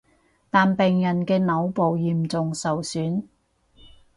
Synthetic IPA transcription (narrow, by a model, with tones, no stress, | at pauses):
t̪aː˨npɛː˨˧ŋjɐ˨˩nkɛː˧nɐ˨˥wpo˨wjiː˨˩mt͡sʊ˨ŋsɐ˨wsyː˨˥n